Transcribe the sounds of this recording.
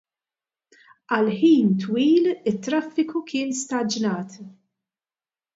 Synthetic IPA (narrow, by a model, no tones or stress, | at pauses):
ɐlħiːnt̪wiːlɪt̪ːɾɐfːɪkukɪːnst̪ɐd͡ʒnɐːt̪